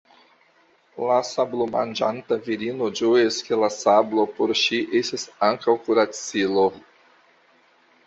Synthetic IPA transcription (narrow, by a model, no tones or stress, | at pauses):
lasabloma̰nd͡ʒa̰ntaviɾino̞d͡ʒojeskelasablo̞poɾʃiʔestasaŋkawkuɾat͡silo